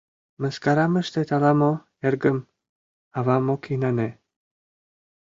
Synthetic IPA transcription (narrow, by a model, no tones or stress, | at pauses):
məskaɾaməʃt̪et̪ʰalamo | ɛɾɡəm | avamokʰinane